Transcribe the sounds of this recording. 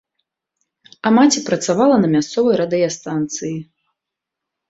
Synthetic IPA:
ɐmat͡sʲipɾɐt̪savalˠɐnɐmʲast̪sɔvɐjɾad̪ɨjast̪ant̪sɨji

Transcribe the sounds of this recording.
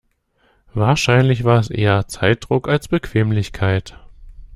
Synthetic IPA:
vaːɐʃaɪnlɪçv̥aːɐɛsʔḛːɐt͡saɪt̚d̥ʁʊkalsb̥əkʰv̥eːmlɪçkʰaɪt

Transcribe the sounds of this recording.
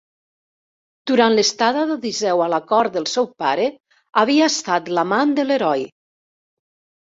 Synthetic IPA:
d̪̥uɾanləst̪aðaðəðizɛwalakɔɾðəlˠsɛwpaɾe | aβ̞iast̪at̪lamand̪əleɾɔj

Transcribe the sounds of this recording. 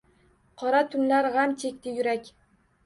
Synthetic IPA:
qʰɒɾat̪ʰʊnlaɾʁamt͡ʃʰe̞kʲt̪ʰɪjʊɾakʲ

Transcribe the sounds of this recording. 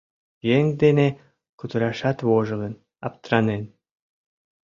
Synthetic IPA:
jeŋd̪ene | kut̪uɾɑʃɑt̪βoʒɯ̆lɤn | ɑ̰p̚t̪ɾɑnen

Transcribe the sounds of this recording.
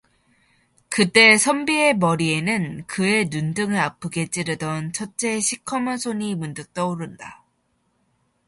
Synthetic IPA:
kɯt͈e̞sʰʌmbie̞mʌɾie̞nɯnkɯe̞nundɯŋɯɭapʰɯɡe̞t͡ɕ͈iɾɯdʌnt͡ɕʰʌt͡ɕ͈ʰe̞ɕʰikʰʌmɯsʰoɲimundɯk̚t͈ʌuɾɯnda

